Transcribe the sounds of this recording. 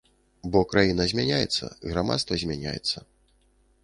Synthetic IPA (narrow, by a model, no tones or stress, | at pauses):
bɔkɾajinɐzʲmʲanʲajɛt̪sːɐ̰ɣɾama̰t̪st̪vɐzʲmʲanʲa̰jɛ̰t̪sːɐ